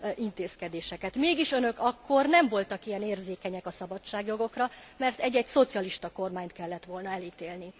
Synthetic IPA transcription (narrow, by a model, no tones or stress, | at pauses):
int̪eːskɛd̪eːʃɛkɛt̪meːɡiʃø̞nø̞kɒkːo̞rnɛɱvo̞lt̪ɒkijɛneːrzeːkɛɲɛkɒsɒbɒt͡ʃt͡ʃːaːɡjo̞ɡo̞krɒmɛrt̪ɛɟːɛɟso̞t̪siɒliʃt̪ɒko̞rmaːɲt̪kɛlːɛt̪ʋo̞lnɒɛliːt̪eːlni